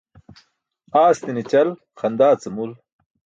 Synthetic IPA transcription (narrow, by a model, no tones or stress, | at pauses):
aːst̪init͡ɕɐl | xɐnd̪aːt͡sɐmul